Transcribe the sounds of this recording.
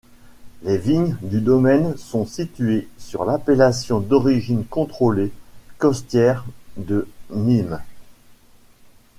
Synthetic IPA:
lɛviɲd̪yd̪ɔmɛnsɔ̃sit̪ɥesyʁlapelasjɔ̃d̪ɔʁiʒinkɔ̃t̪χolekɔst̪jɛʁd̪əmim

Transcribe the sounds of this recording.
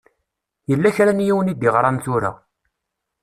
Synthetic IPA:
jəlːæçɾænjiwənid̪iʁɾˤɑnθuɾæ̰

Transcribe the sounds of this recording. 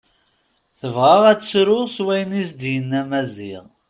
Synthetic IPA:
θəvʁaʁæt͡sːsɾʊʁswæjənisd̪jənːæmæziʁ

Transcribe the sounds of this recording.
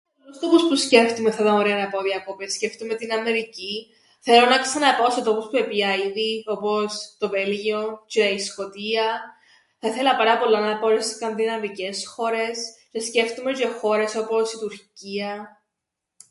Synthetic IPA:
olust̪o̞puspusce̞ft̪umeθɐt̪ɐoɾeɐnɐpoðiɐkopesce̞ft̪umet̪inɐme̞ɾici | θe̞lonɐksɐnɐpooset̪o̞puspuepiɐiðio̞post̪o̞velʝioceisko̞t̪iɐ | θɐiθelɐpɐɾɐpo̞lːɐnɐpooɾeskɐnðinɐmice̞sxo̞ɾe̞scesce̞ft̪umeʝexo̞ɾe̞so̞po̞sit̪uɾciɐ

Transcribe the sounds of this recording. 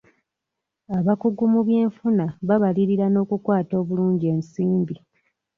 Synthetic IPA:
aβakuɡumuβje̞ːɱfunaβaβaliɾiɾano̞ːkukwaːto̞ːβuluːɲɟie̞ːnsiːmbi

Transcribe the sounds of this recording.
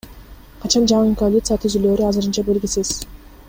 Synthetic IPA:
qʰɑt͡ʃɑnd͡ʒɑɴɯɴkolʲit̪sɨjat̪ʰyzyløːɾyɑzɯɾɯnt͡ʃɑbe̞lɡʲisiz̥

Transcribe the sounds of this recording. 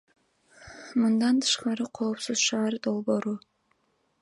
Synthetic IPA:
mɨnd̪ɑnt̪ʰɯ̥ʃqɑɾɨqʰo̞ːpsɨzʃɑːɾd̪o̞lˠbo̞ːɾu

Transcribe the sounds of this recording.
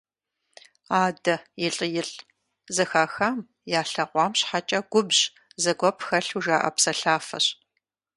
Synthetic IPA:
aːdɐjɪɬʼɨjɪɬʼ | zɐxaːxaːm | jaːɬɐʁʷɑːmɕħat͡ʃʼɐɡ̥ʷʊbʑ | zɐɡʷɔpxɐɬuʒaːʔɐ̰psɐɬaːfɐ̰ɕ

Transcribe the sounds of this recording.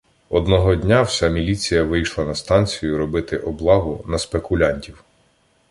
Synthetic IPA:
ɔd̪nɔɦɔdʲnʲawsʲamʲilʲit͡sʲijɐʋɪjʃlˠɐnɐst̪ɑnʲt͡sʲijʊɾɔbɪt̪ɪʔɔblˠɑɦʊnɐspekʊlʲanʲtʲiw

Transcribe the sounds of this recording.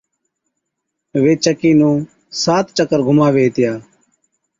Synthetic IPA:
ʋeːt͡ʃəkiːnũː | saːt̪t͡ʃəkəɾɡʱʊmaːʋeːt̪ɪjaː

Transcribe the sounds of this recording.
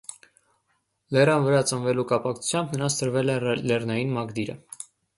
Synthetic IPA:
lɛrɑnvəɾɑt͡sənvɛlukɑpɑkt͡sʰu̥t͡sʰjɑmbnəɾɑnsʰt̪əɾvɛlɛlɛrnɑjinmɑɡd̪iɾə̰

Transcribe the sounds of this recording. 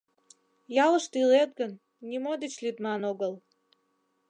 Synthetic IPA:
jɑlˠə̆ʃt̪ilet̪̚ɡə̆nːʲ | imod̪ət͡ɕlʲyd̪mɑnoɡəlˠ

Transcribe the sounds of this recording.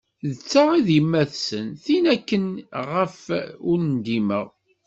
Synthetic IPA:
ðət͡sːaʁiðjəmːæθsənθinækːənʁəfʊɾnd̪iməʁ

